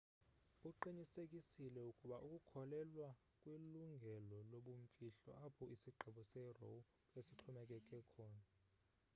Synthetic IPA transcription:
uǃiɲisekʼisilɛukʼuɓaʔukʼukʰɔlɛlwa | kʼwiluŋɡʱɛlɔloɓuɱ̩fiɬɔ̰ʔapʰɔʔisiɡ͡ǃʱiɓɔsɛro̰w | esiǁʰɔmɛk̬ʼɛkʼɛkʰɔːna

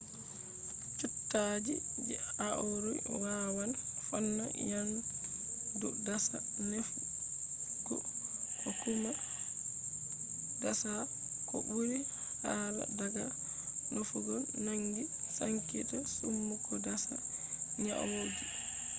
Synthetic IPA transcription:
t͡ʃɔtːaːd͡ʒid͡ʒɛaɔɾɔjwawanfɔnːa̰jan | dɔdasa | nef | ɡ̥ɔ̰kɔkuma | dasa | kɔ̰buɾi | hala̰daɡa | nofuɡɔnaŋɡi | saŋkitasumːukɔdasa̰ | ɲa̰wod͡ʒi

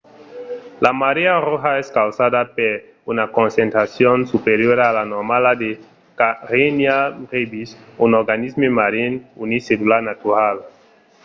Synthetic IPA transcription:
lamaɾearoxaɛskawsadapeɾ | unakõnsẽnt̪ɾasjonsupeɾjoɾaːlanoɾmalad̪e | kaɾenjarebisunoɾɡanizmemaɾinuniselulaɾnat̪uɾal

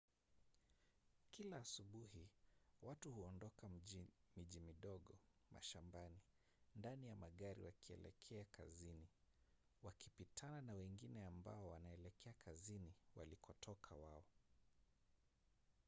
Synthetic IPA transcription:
kilaːsuɓuhiwatuhuɔndɔkamiʄimiɗɔɠɔ | mʔa̰ʃambani | ndanijamaɠaɾḭwakiɛ̰lɛ̰kʰɛaka̰zini | wakipitʰananawɛŋɡinɛamba̰ɔwanaɛlɛkʰɛakʰaziniwa̰likʰɔtʰɔkʰawaɔ

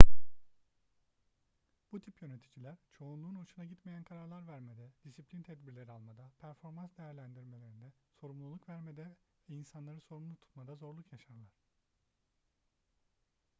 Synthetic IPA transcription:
b̥ut̪ʰipjø̞ne̞t̪ʰid͡ʒilʲæɾt͡ʃʰo̞unlˠuːno̞ʃunaɟit̪mejænkʰaɾaɾlˠaɾvæɾmed̪ɛd̪̥isiplʲint̪ʰɛd̪̚biɾlʲe̞ɾialˠmad̪apʰæɾfo̞ɾmansd̪ejæɾlʲænd̪iɾme̞lʲe̞ɾind̪ɛso̞ɾumlˠulˠukvæɾmed̪ɛvɛinsanlˠaɾɯso̞ɾumlˠut̪ʰu̥t̪mad̪azo̞ɾlˠukjaʃaɾlˠaɾ̥

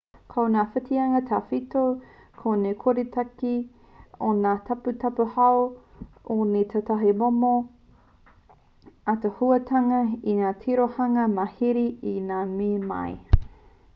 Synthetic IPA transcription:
kʰownaːfɪtiɐŋɐtʰaːfitokʰonekʰoɾitʰɐki | onaːtʰɐputɐpuhɐw | onet̪ʰatɐɦimomo | atehuɐtʰɐŋɐinaːtʰiɾohɐŋɐmɐhiɾiinaːmiːmɐ̰j

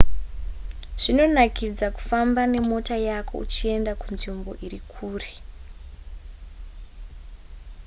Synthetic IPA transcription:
ʐ̥ino̞nakid͡zaku̥fambane̞mo̞tajako̞̰ut͡ʃie̞ndakunʐimbo̞ʔirikʰuːre̥

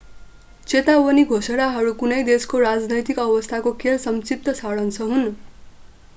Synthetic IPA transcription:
t͡set̪awʌniɡʱosʌɽaɦʌɾukunʌjd̪eskoɾad͡znʌjt̪ikʌbʌst̪ʰakokʰelsʌmt͡sip̚t̪ʌsaɽʌnt͡sʰʌɦun

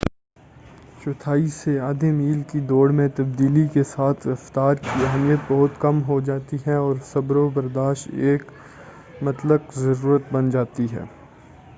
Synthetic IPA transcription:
t͡ʃʊt̪ʰaːiseaːd̪emiːlkid̪oːɽmẽt̪ɐb̚d̪iːlikesaːt̪ʰɪɾɐft̪aːɾkiɐɦmijət̪̚bɐɦʊt̪kɐmɦod͡ʒaːt̪iɦɛɔːɾsɐbɾobɐɾd̪aːʃt̪eːk | mɐt̪ləkzɐɾuːɾət̪̚bɐnd͡ʒaːt̪iɦɛ̰ː

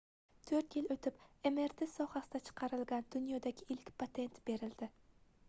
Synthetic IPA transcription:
t̪ʰɵɾt̪jɪlot̪ʰɪpe̞me̞ɾt̪ʰesɒhasɪd̪at͡ʃʰɨ̥qʰɑɾɪlɡʲand̪ʊnjɒd̪aɡʲɪʔɪlkʲpʰat̪ʰe̞nt̪be̞ɾɪld̪̥ɪ

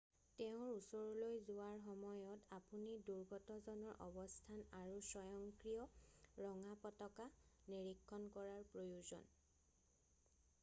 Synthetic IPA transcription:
teʊ̃ɹusɔɹɔlojzuaɹxɔmɔjɔtapuniduɹɡɔtɔzɔnɔɹʔɔ̰bɔstʰanaɹusɔjɔŋkɹijɔɹɔŋapɔtɔkaniɹikʰːɔnkɔɹaɹpɹojuzɔ̰n

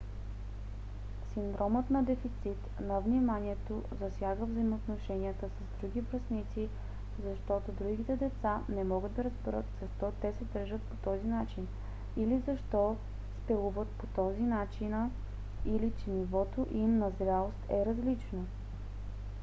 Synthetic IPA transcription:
sind̪ɾʔɔmət̪nɐd̪ɛfit̪sit̪nɐvnimanʲiɛt̪ozɐsʲjaɡəvzəimoːt̪noʃɛniət̪əsɐzd̪ɾuɡ̟ʲibɾɐsnit̪si | zɐʃt̪ɔt̪od̪ɾuɡʲit̪ɛd̪ɛt̪sanɛmɔɡəd̪ːɐɾəzbɛɾət̪z̥ɐʃt̪ɔt̪ɛsɛd̪əɾʒət̪̚po̥t̪ɔzinat͡ʃin | ilizɐʃt̪ɔ | spɛlˠuvət̪pot̪ɔzinat͡ʃinə | ilit͡ʃɛnivɔt̪oʔimnɐzɾʲalˠost̪ɛɾɐzlit͡ʃno

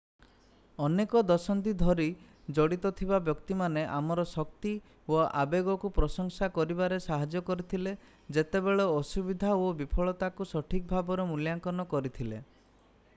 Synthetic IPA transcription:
ɔnekɔd̪ɔsɔnt̪id̪ʱɔɾi | d͡ʒɔɽit̪ɔt̪ʰibabjɔkt̪imaneʔamɔɾɔsɔk̚t̪i | oa̰beɡɔkupɾɔsɔŋsakɔɾibaɾesaɦad͡ʒjɔkɔɾit̪ʰile | d͡ʒet̪ebeɭɔːsubid̪ʱaobipʰɔɭɔt̪akusɔʈʰik̚bʱabɔɾemuljaŋkɔnɔkɔɾit̪ʰilḛ

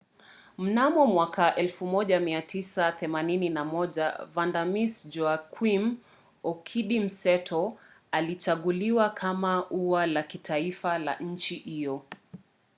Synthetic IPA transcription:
m̩namɔmwakaʔɛlfumɔʄamiatʰisaθɛmanininamɔʄa̰vandamisd͡ʒɔakʰwim | ɔkʰiɗim̩sɛtʰɔ | alit͡ʃaɠuliwakʰamaʔuwalakitʰaifala̰ɲ̩t͡ʃihijɔ

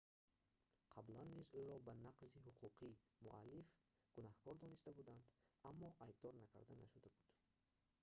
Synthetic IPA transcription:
qʰablanːizujɾɔbanaqziɦuqʰuqʰimuʔalːif | ɡ̥unahɡɔɾd̪ɔnist̪abud̪and̪amːɔʔajb̚d̪ɔɾnakʰa̰ɾd̪anaʃud̪abud̪̥

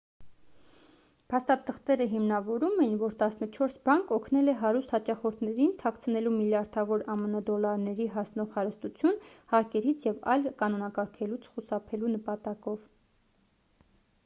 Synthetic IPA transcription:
pʰɑst̪ɑt̪ʰəχt̪ɛɾəɦimnɑvɔɾumɛjnvɔɾt̪ɑsnət͡ʃʰɔɾsbɑŋkɔkʰnɛlɛɦɑɾust̪hɑt͡ʃɑχɔɾt̪ʰnɛɾint̪ʰɑkʰt͡sʰənɛlumiljɑɾd̪ʰɑvɔɾɑmənəd̪ɔlɑɾnɛɾiɦɑsnɔʁhɑɾəst̪ut͡sʰjunhɑɾkɛɾit͡sʰjɛvɑ̰jlkɑnɔnɑkɑɾkʰɛlut͡sʰχusɑpʰɛlunəpɑt̪ɑkɔv

